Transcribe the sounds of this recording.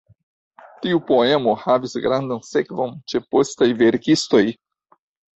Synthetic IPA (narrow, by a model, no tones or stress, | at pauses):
tiupoe̞mo̞havisɡɾandonse̞kvo̞nt͡ʃe̞po̞stajve̞ɾkisto̞j